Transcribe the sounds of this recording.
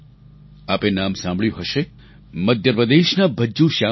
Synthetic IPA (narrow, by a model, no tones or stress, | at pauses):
apenamsãmbʱɭjũɦəʃe | məd̪ʱjəɾpɾəd̪eʃnabʱəd͡ʒːũʃa